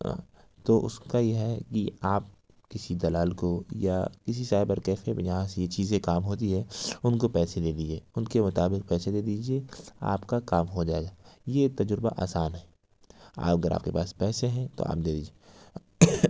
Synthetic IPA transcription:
t̪oʔʊ̰skajeɦɛkiaːp̚ | kɪsid̪ɐlaːlkoja̰kɪsisaːɾepɐɾkɛːfepd͡ʒɐɦãsejet͡ʃiːzẽkaːmɦoːt̪iɦɛʊnkopɛːsed̪eːd̪id͡ʒeːʊnkemʊt̪aːbɪk̚pɛːsed̪eːd̪iːd͡ʒiea̰ːpkakaːmɦod͡ʒaːeɡajet̪ɐd͡ʒʊɾba̰ʔa̰ːsaːnɦɛː | a̰ːpɐɡəɾʔa̰ːp̚kepaːspɛːseɦɛ̃t̪o̰ʔa̰ːp̚d̪eːd̪iːd͡ʒie

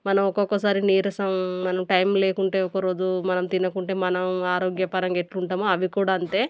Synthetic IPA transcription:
mɐnɐmɔkɔkːɐsaːɾiniːɾɐsɐmːɐnɐmʈɐjmleːkuɳʈe̞ːɔkɐɾoːd͡ʒumɐnɐmt̪inɐkuɳʈe̞ːmɐnɐmaːɾoːɡjɐpɐɾɐŋɡeʈluɳʈaːmuɐʋikuːɽaːɐɳʈe̞ː

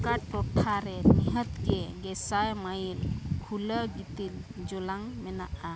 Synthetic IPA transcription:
kaʈːɔʈʰaɾɛniɦət̪kɛɡɛsajmajilkʰuləɡit̪ild͡ʒɔlaŋmɛnaʔa

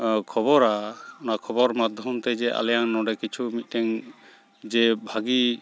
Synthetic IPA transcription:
kʰɔbɔɾaɔnakʰɔbɔɾmad̪ʱjɔmt̪ɛd͡ʒɛʔa̰lɛjaŋnɔɖɛkit͡ʃʰumit̪̚ˀtɛŋ | d͡ʒɛbʱaɡi

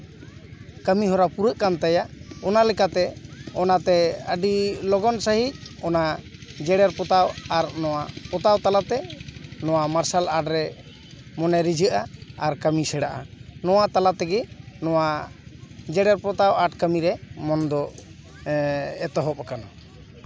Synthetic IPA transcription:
kəmiɦɔɾapuɾəʔkant̪ajaɔnalɛkat̪ɛɔnat̪ɛəɖilɔɡɔnsəɦic̚ɔnad͡ʒɛɽɛɾpɔt̪awaɾnɔwapɔt̪awt̪alat̪ɛnɔwamaɾsalaɖɾɛ | mɔnɛɾid͡ʒʱəʔaaɾkəmisɛɽaʔa̰nɔwat̪alat̪ɛɡɛnɔwa | d͡ʒɛɽɛɾpɔt̪awaʈkəmiɾɛmɔnd̪ɔ | ɛt̪ɔɦɔp̚akana

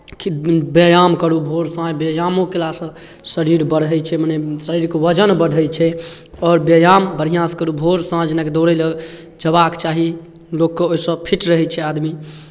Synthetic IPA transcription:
kibjəjamkəɾubʱoɾsãjbjejamõkelasə̃ | səɾiɾbəɽ̤ɦɛt͡ʃʰɛmənɛsəɾiɾkeʋəd͡ʒənbəɽʱət͡ʃʰɛ | ɔːɾbəjambəɾ̤ijãskəɾubʱoɾsãd͡ʒenaked̪oɾɛlə | d͡ʒəbakt͡ʃaɦi | lokːeoisə̃pʰiʈɾəɦɛt͡ʃʰɛad̪mi

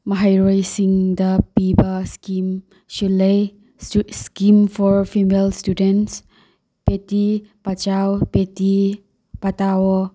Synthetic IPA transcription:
mɐɦajɾojsiŋdɐpibɐskim | sulɐj | skimfʰɔɾpʰimelstudens | petipat͡ʃawpeti | patawɔ

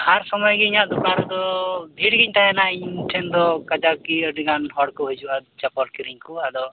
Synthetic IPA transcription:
haɾsɔmɔjɡɛiɲaʔd̪upaɾɛd̪ɔd̪ʱiɽɡiɲʈaɦɛnaʔiɲʈʰɛnd̪ɔkad͡ʒakiəɖiɡanɦɔɽkɔɦujd͡ʒuad̪t͡ʃapɔɾkiɾiɲkuad̪ɔ

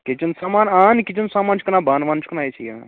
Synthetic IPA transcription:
ket͡ʃɐnsamaːnankit͡ʃɐnsaːmaːnt͡ʃʰikɐnabaːnʋaːnt͡ʃʰkɐnajet͡ʃʰija̰n

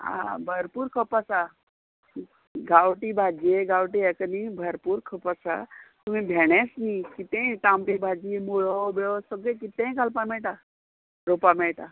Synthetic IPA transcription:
a̰bʱəɾpuɾkʰəpasa | ɡawʈibʱad͡ʒeɡawʈ̬iekənibʱəɾpuɾkʰəpəsa̰t̪um̤ĩbʱeɽ̃esnikit̪ẽʈamʈibʱad͡ʒiemuɭobeɭosɔɡekit̪ẽkalpameʈa | ɾopameʈa

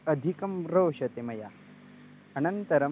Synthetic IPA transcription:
ɐd̪ʱikɐmɾoːʂɐt̪emɐja | ɐnɐnt̪ɐɾɐ

